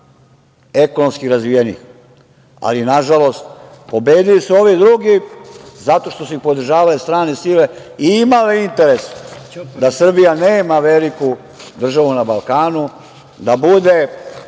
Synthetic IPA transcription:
e̞konomskiɾazʋijenḭx | a̰linaʒalo̞st̪̚po̞beːd̪ilisuo̞ʋid̪ɾuɡizat̪o̞ʃt̪o̞suixpo̞d̪r̩ʒaːʋalest̪ɾaːnesile̞ | iimaliint̪e̞ɾe̞sd̪asr̩bijaneːmaʋe̞liku | d̪r̩ʒaʋunabalˠkaːnu | d̪abud̪e̞

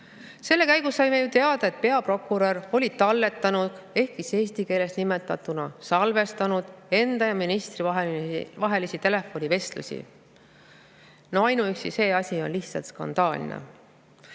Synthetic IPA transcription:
se̞lːe̞kæjɡusːɑjmejut̪e̞ɑd̪̥ɑe̞t̪̚pe̞ɑpro̞kːuɾero̞lʲit̪ɑlːe̞t̪ːˑɑnud̪̥e̞hkːiseːst̪ike̞ːle̞snime̞t̪ːˑɑt̪ːunɑsɑlve̞st̪ɑnud̪̥e̞nd̪̥ɑjɑminist̪rivɑɦvɑɦe̞lisit̪e̞le̞fo̞nʲive̞st̪lṵsʲḭ | noɑjnuyksise̞ːɑsʲio̞̰nliht̪sɑlt̪skɑ̰nd̪̥ɑːl̰ʲnḛ

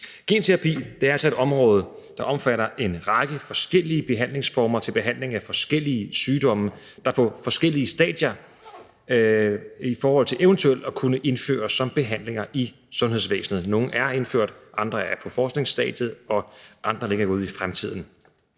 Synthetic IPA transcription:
ɡ̥e̝̰ːnt͡sʰeʁɑ̈pʰḭːd̥eæɐælsɒ̽e̝d̥ɒ̽mʁɔ̽ːð̞ˠ | d̥ɑ̈ʔɒ̽mfæɾɐʔe̝nʁɑ̈ɡ̥əfɒ̽sɡ̥el̰iəb̥e̝ɦæn̰le̝ŋsfɒːmɐt͡sʰe̝lb̥e̝ɦæn̰le̝ŋæfɒ̽sɡ̥el̰iəsyːd̥ɒ̽mə | d̥ɑ̈pʰɒ̽fɒ̽sɡ̥el̰iəsd̥ɛ̰ːd̥jɐ | ifɒːhɒ̽l̰t͡sʰe̝lʔeʊnt͡sʰuel̰ɒ̽kʰunəʔe̝nfø̰ːɐsːɒ̽mb̥e̝ɦæn̰le̝ŋɐʔi | sɔ̽nɦe̝ðˠs̬ʋḛːsn̩ð̞̩ˠno̝ːn̩æɐe̝nføɐ̰d̥ʔɑ̈nd̥ʁɐæɐpʰɒ̽fɒːsɡ̥ne̝ŋsd̥ɛ̰ːd̥jð̩ˠɒ̽ʔɑ̈nd̥ʁɐle̝ɡ̥ɐuð̩ˠifʁamt͡sʰið̰ˠn̩

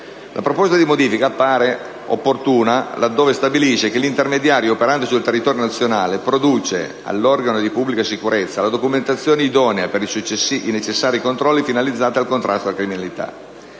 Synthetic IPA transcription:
lʔa̰pɾopɔst̪ad̪imod̪iːfikaːpːaːɾe | opːort̪uːnalad̪ːoːvest̪abiliʃekelint̪ermed̪jaːɾjoopeɾand̪osult̪erːit̪ɔːɾjonat̪sːjonaːlepɾod̪uːt͡ʃḛ | a̰lːɔrɡanod̪ipubːlikasikuɾet̪sːalad̪okument̪at̪sːjoːneid̪ɔːneapeɾisut͡ʃːesiinet͡ʃesːaːɾikont̪ɾɔlːifinalid̪zːaːt̪ealkont̪ɾʔa̰st̪oalakɾiminalit̪a̰

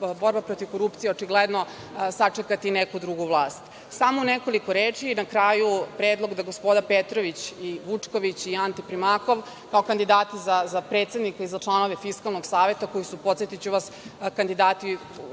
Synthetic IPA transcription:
bo̞ɾbapɾo̞t̪iʋko̞ɾupt̪sijeot͡ʂiɡlɛd̪no | sat͡ʂekat̪inekud̪ɾuɡuʋlˠaːst̪ | samouneko̞likoɾeːt͡ʂiːnakɾaːjupɾeːd̪lˠo̞ɡd̪aɡo̞spo̞d̪apet̪ɾoʋit͡ɕiʋut͡ʂkoʋit͡ɕiant̪ipɾimako̞ʋ | kaokand̪id̪aːt̪izazapɾet̪sed̪nikaizat͡ʂlˠano̞ʋe̞fiskalnoɡsaːʋe̞t̪ako̞jisupo̞t̪set̪it͡ɕuʋaskand̪id̪aːt̪i

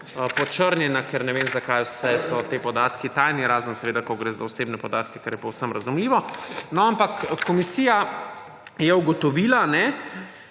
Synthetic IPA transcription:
pɔt͡ʃəɾnjɛnakɛɾnɛʋenzakajwsɛsɔt̪eːpɔd̪aːt̪kit̪ajniɾaːzənsɛʋeːd̪akɔɡɾeːza̰ɔsebnɛpɔd̪aːt̪kɛkɛɾjɛpɛwsəmɾɐzumliːʋɔnɔampakkːɔmisija | jɛuɡɔt̪ɔʋiːlanɛ

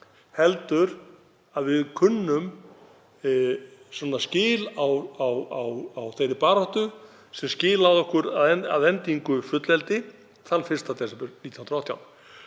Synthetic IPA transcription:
hɛlt̪ʏɾ | aðvɪðkʰʏnːʏm | sɔnascɪːlawawawawθejɾɪpaːɾɔht̪ʏ | sɛmscɪːlawðɔhkʏɾaðɛa̰ðɛnt̪iŋkʏfʏt̪lɛlt̪ɪ | θanfɪ̥st̪at̪ʰɛsɛpʏɾnit̪jnnɾɔht̪ʰːja̰wn

